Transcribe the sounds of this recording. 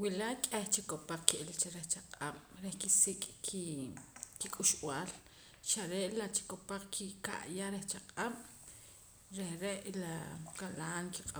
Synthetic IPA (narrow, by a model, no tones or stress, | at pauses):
wilakʼeht͡ʃikopaq͡χkiʔilt͡ʃaɾeht͡ʃaqʼaɓ̥ɾehkisikʼkʰi | kikʼuʃw̰aːl | ʃaɾeʔlat͡ʃi̥kopaq͡χkʰika̰ʔjaɾeht͡ʃaqʼaɓ̥ | ɾehɾeʔlakalaːnkiqʼa